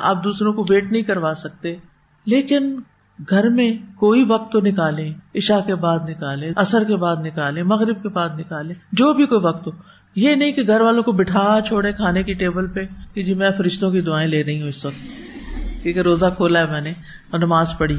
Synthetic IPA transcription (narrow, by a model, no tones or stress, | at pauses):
a̰ːp̚d̪uːsɾõkoʋeːʈnɐɦĩkɐɾʋaːsɐk̚t̪e | leːkɪn | ɡʱɐɾmẽkoːiʋɐk̚t̪ːonɪkaːlẽɪʃakebaːd̪nɪkaːlẽʔɐsəɾkebaːd̪nɪkaːlẽmɐɣɾɪb̚kebaːd̪nɪkaːlẽd͡ʒoːbʱikoːiʋɐk̚t̪ɦo | jeːnɐɦĩkeɡʱɐɾʋaːlõkobɪʈʰaːt͡ʃʰoːɽẽkʰaːnekiʈeːbəlpeked͡ʒiːmɛ̃fɐɾɪʃt̪õkid̪ʊaːẽleːɾɐɦĩɦũɪsʋɐk̚t̪̚ | kiːkeɾoːzakʰoːlaɦɛmɛ̃ːne | ɔnɐmaːzpɐɽi